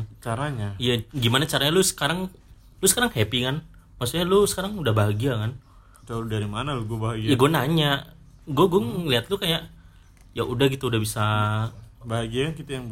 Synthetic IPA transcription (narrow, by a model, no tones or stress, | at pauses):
t͡ʃaɾaɲaijaɡimanat͡ʃaɾaɲalʊsə̥kaɾaŋ | lʊsə̥kaɾaŋhepikan | maksuɲalʊsə̥kaɾaŋudahbaɦaɡiakan | t̪adaɾimanalʊɡuabaɦaɡijaɡuanaɲaʔ | ɡuaɡaŋliat̪̚lʊkajaʔ | jaʔudahɡit̪uːdahbisa | baɦaɡiakankit̪ajaŋ